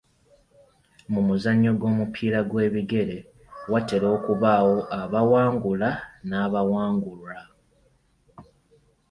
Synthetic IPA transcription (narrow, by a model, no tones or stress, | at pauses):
mumuzaɲːo̞ɡo̞ːmupʰiːɾaɡwe̞ːβiɡe̞ɾe̞ | wate̞ɾo̞ːkuβaːwo̞ʔaβawaːŋɡulanaːβawaːŋɡula